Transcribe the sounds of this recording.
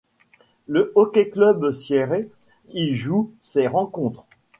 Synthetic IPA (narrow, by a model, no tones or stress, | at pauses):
ləʔɔkʲeklœbsjeʁe | iʒuseʁɑ̃kɔ̃t̪χ